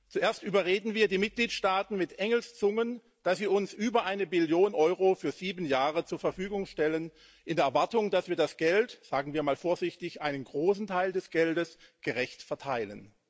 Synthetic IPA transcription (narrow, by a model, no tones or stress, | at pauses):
t͡suʔeːɐstʔyːbɐʁeːdn̩viːɐdiːmɪt̚ɡ̥liːtʃtaːtn̩mɪtʔɛŋl̩st͡sʊŋən | d̥asv̥iːɐʊnsʔyːbɐʔaɪnəbɪljoːnʔɔʏʁofyːɐziːbn̩jaːʁət͡suːɐfɛɐfyːɡʊŋʃtɛlən | ʔɪndeːɐɛɐvaɐtʊŋd̥asv̥iːɐdasɡ̥ɛltz̥aːɡŋ̩viːɐmaːlfoːɐzɪçtɪçʔaɪnənɡʁoːs̬n̩tʰaɪldɛsɡ̥ɛldəs | ɡ̥əʁɛçtfɛɐtʰaɪlə̰n